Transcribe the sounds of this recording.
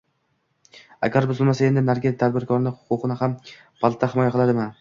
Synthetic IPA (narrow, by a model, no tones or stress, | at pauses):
a̰ɡʲaɾbʊzɪlmasae̞nd̪ɪnaɾɡʲɪt̪ʰad̪bɪɾkʰɒɾnɪhʊ̥qʊqɨnɪham | pʰalˠt̪ʰːahɪmɒjaqɨlˠad̪ɪma